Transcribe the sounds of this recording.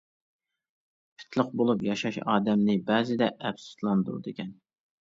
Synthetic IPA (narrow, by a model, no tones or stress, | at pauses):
pʰi̥t̪ʰlˠəqbolˠupjɑʃɑʃɑ̰ːd̪ɛmnɪbɛːzɪd̪ɛʔːfsu̥slˠɑnd̪ṵd̪ekʲɛn